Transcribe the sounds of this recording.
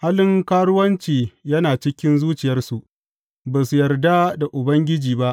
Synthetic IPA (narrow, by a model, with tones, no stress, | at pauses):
haː˦lɪ˦ŋkaː˦ɽʊ˦wɐ˦nt͡ʃiː˨jɐ˦naː˨t͡ʃɪ˦kʲɪ˦nzuː˦t͡ʃɪ˨jɐ˦rsu˨ʔ | baː˨su˨jɐ˨rda˦da˨ʔʊ˨bɐ˦ŋɡʲɪ˦d͡ʒiː˨ba˦ʔ